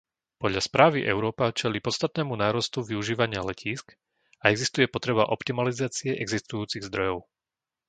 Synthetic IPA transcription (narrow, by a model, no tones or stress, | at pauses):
pɔd̪ʎaspɾaːʋiʔɛʊɾɔːpat͡ʃɛliːpɔt̪st̪at̪̚nɛːmunaːɾɔst̪uʋiuʒiːʋaɲɪalɛcʰiːsk | aɛɡzist̪ujɛpɔt̪ɾɛβaʔɔpt̪imalizaːt͡siɛʔɛɡzist̪ujuːt͡siɣzd̪ɾɔjɔʊ